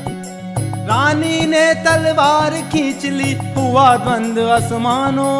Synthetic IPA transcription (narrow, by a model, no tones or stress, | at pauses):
ɾaːniːnẽːt̪ɐlʋaːɾkʰĩːt͡ʃɪliɦuʋaːd̪ʋɐnd̪ɐsmaːnoː